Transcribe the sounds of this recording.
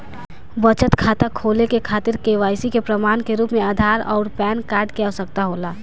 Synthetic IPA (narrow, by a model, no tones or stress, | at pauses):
bət͡ʃət̪kʰaːt̪akʰolekekʰaːt̪ɪɾkeʋaːjsikepɾəmaːnkeɾuːpmẽaːd̪ʱaːɾɔ̰ːɾpɛːnkaːɾɖkeasək̚t̪aɦoːlaː